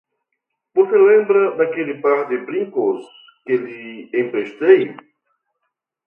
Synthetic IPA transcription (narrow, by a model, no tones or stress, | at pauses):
voselẽmbɾɐd̪akelɪpaɾd̪ɪbɾĩŋkos | kɪliẽmpɾeʃt̪ej